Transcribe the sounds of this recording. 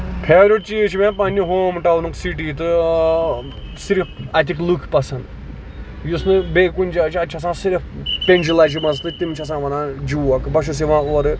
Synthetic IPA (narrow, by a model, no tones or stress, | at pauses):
pʰeːɾoʈ̚t͡ʃiːt͡ʃʰimẽːpɐnʲːiɦoːmʈɐwnɨksiʈ̬iːt̪ɨ | siɾifɐt̪̬ʲiklukʰpɐsɐn | jusnɨbeːkunʲd͡ʒaːt͡ʃʰiɐt͡ʃʰɐs̬ãːsiɾifpenʲd͡ʒilɐːt͡ʃimɐzt̪ɨt̪imt͡ʃʰɐs̬ãːʋɐnãːd͡ʒuʋɐkɨbɐʃus̬iʋãːoːɾɨ